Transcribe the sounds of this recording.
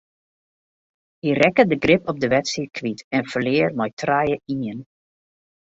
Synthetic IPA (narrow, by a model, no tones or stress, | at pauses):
hirɛkədəɡrɪpɔb̚dəʋɛtsit̚kʰʋitɛnfərlɪːərmɔjtrajəʔinjən